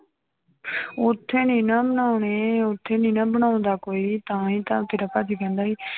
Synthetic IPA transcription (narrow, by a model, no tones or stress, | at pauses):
ʊt̪ʰːeːnĩːnãːbənaːʊɳeːʊt̪ʰːeːnĩːnãːbəñãːʊ̃nd̪aːkoːiːt̪ãːĩːt̪ã̰ːt̪ʰeːɾaːpaːt̪iːkɛ̃ːnd̪aːiː